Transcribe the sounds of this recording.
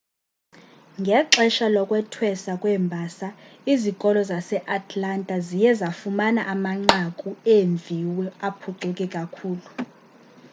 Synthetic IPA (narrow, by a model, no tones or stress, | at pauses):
ŋɡʱɛǁɛʃalɔkʼwɛtʰwɛsakʼwɛmbʱasaizikʼɔlɔzasɛʔatʰʼlantʼazijɛzafumanaʔamaŋ͡ǃakʼueɱvʱiwɛapʰuǀukʼɛkʼakʰuːlu